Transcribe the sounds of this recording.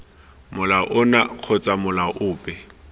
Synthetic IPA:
mʊlaʔʊnaq͡χʰɔt͡sʼamʊlaʔʊːpʼɛ

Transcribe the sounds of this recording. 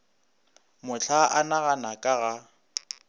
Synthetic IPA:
mʊt͡ɬʰaʔanaɣanakʼaɣa

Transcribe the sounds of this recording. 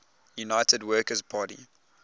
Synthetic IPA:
junaɪtədwɜːkəzpʰɑːtḭ

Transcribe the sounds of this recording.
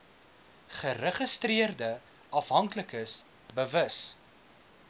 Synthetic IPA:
χərəχəstriərdə | ʔɐfɦɐŋkləkəs | bəvəs

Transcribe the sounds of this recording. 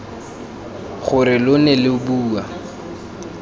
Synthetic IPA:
χʊɾɪlʊnɛlɪbuːa

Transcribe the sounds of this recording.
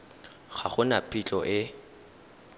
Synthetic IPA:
χaχʊnapʰʼit͡ɬʼɔʔɪ

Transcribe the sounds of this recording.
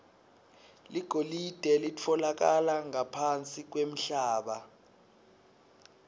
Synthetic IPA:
liɡ̥ʱolid̥ʱɛlit͡fʰɔlak̬alaŋapʰant͡sʼik̬wem̩ɬaːɓa

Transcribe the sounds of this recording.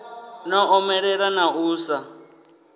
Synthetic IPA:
nɔɔmɛɺɛɺanauːsa

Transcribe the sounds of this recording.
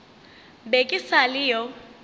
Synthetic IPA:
bekʼisalɪjɔ

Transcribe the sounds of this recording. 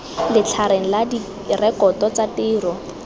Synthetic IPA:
lɪt͡ɬʰaɾeŋ̩ladi | rɛkɔtɔt͡satɪːrɔ

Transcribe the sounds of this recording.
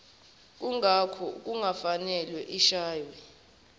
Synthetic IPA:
k̬ʼuŋʱakʰɔk̬uŋafanɛlwɛʔiʃaːjwɛ

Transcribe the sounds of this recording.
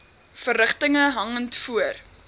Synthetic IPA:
fərəχtəŋəɦɐŋəntfuər

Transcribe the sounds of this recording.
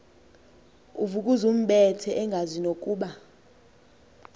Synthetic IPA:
uvuk̬ʼuzum̩ɓɛtʰɛʔɛŋɡʱazinok̬ʼuːɓa

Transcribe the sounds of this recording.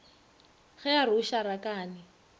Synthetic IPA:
χɛaruʃaɾakaːnɪ

